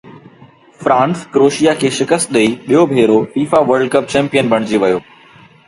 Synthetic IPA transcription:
fɾãːnskɾoːʃijakʰeːʃɪkəst̪̚ɗɐiɓijobʱeːɾofiːfaʋəɾɖkəp̚t͡ɕɛ̃ːmpijənbʱɐɽ̃ɪd͡ʑiʋɐjoː

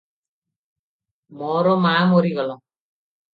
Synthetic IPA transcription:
mɔɾɔmaːmɔɾiɡɔlɔ

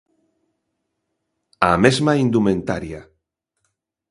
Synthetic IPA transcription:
amezmaind̪umẽnt̪aɾja

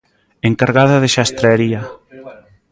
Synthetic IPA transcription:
eŋkaɾɣaðaðɪʃast̪ɾeaɾia

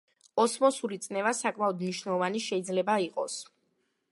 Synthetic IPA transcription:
ɔsmɔsulit̪sʼnɛvasakʼmaɔd̪mniʃnɛlˠɔvaniʃɛid̪zlɛbaiqʼɔs

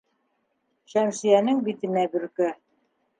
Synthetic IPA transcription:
ʃæmʃĭjænɘŋbit̪ɘ̆næbɵ̆ɾkæ

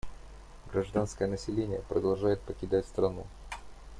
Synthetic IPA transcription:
ɡɾɐʐd̪anskəjənəsʲɪlʲenʲɪjəpɾəd̪ɐlˠʐajɪt̪̚pəkʲɪd̪atʲst̪ɾɐnu

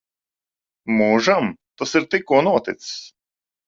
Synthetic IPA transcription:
muːʒamt̪asiɾt̪ikːuɔnuɔt̪ɪt̪ss

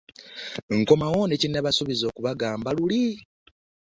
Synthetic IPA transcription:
ŋko̞mawonecinːaβasuβizo̞ːkuβaɡaːmbaluli

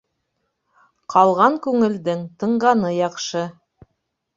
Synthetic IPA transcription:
qʰɑlˠʁɑŋkʉŋɘ̆ld̪ɘŋt̪ɤ̆ɴɢɑnɤjɑqʃɤ

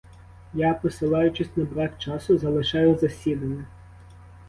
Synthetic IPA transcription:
japɔsɪlˠɑjʊt͡ʃɪsʲnɐbɾɑkt͡ʃɑsʊzɐlˠɪʃɑjʊzɐsʲid̪ɐnʲːɐ

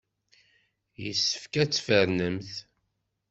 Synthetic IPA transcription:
jəsːə̥fkæt͡sːfəɾnəmθ

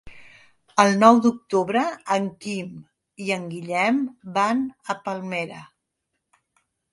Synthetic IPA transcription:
əlˠnɔwd̪uk̚t̪uβɾəːŋkim | iəŋɡiʎɛmbanəpəlˠmeɾə

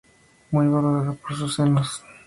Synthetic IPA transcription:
mujβaloɾaðapoɾsusenos

